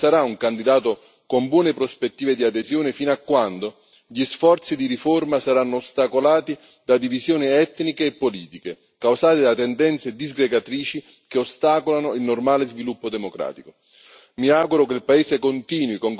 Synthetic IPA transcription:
saɾauŋkand̪id̪aːt̪ʊ | kombwɔːnepɾospet̪ːiːved̪iad̪ezjɔːnɪfinakːwand̪o | ʎisfɔrt̪sid̪iɾiformasaɾanːoːst̪akolaːt̪i | d̪ad̪ivizjoːniɛt̪ːnikeːpːoliːt̪ike | kawsaːt̪id̪at̪ɛnd̪ɛnt̪sed̪izɡɾeɡat̪ɾiːt͡ʃi | keost̪aːkolanoilnormaːlezvilupːod̪ɛmokɾa̰ːt̪iko | miaːɡuɾʊkelpaeːzɪkont̪iːnwikoŋ

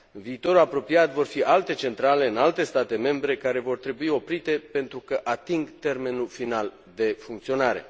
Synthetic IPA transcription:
ɨnviːt̪o̞ɾuapɾo̞piat̪vo̞rfiʔalt̪e̞t͡ʃe̞nt̪ɾale̞ɨnalt̪e̞st̪at̪e̞me̞mbɾe̞kaɾe̞vo̞rt̪ɾe̞buio̞pɾit̪e̞pe̞nt̪ɾukəʔat̪iŋɡt̪e̞rme̞nulfinal | d̪e̞fuŋkt̪sio̞naɾe̞̰

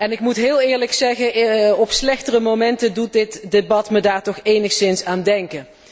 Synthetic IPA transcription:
ɛnɪkmutɦɪːlˠɪːɹləksɛɣəɔpslɛxtərəmomɛntədut̚dɪtdebɑtmədaːɹtɔχejnəxsɪnsaːndɛŋkən

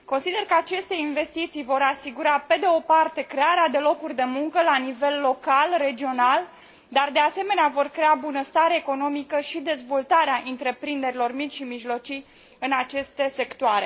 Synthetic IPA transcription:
ko̞nsid̪e̞rkəat͡ʃe̞st̪e̞inve̞st̪it̪sijvo̞ɾasiɡuɾape̞d̪eo̞part̪e̞kɾe̞aɾead̪e̞lo̞kurʲd̪e̞muŋkəlanive̞lːo̞kalre̞d͡ʒio̞nal | d̪ard̪e̞ase̞me̞neavo̞rkɾe̞abunəst̪aɾeːko̞no̞mikəʃid̪e̞zvo̞lt̪aɾeaʔɨnt̪ɾe̞pɾind̪e̞ɾilo̞rmit͡ʃʃimiʒlo̞t͡ʃij | ɨnat͡ʃe̞st̪e̞se̞kt̪oaɾe̞

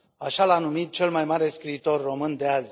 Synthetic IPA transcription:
aʃalanumit̪̚t͡ʃe̞lmajmaɾe̞skɾiːt̪o̞rːo̞mɨnd̪eaz

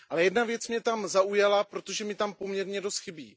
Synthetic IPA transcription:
ʔalɛjɛdnavjɛt͡smɲɛt̪amzaujalapɾo̞t̪oʒɛmɪt̪ampo̞mɲɛɾɲɛdo̞st̪xɪbiː

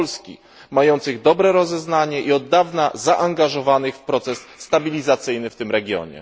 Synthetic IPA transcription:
lskʲḭ | majɔnt̪sɘɣd̪ɔbɾɛɾɔzɛznaɲɛʔiɔd̪ːavnazaʔaŋɡaʐɔvanɘxfpɾɔt̪sɛsːt̪abʲilʲizat̪sɘjnɘft̪ɘmɾɛɡʲjɔ̰ɲɛ̰

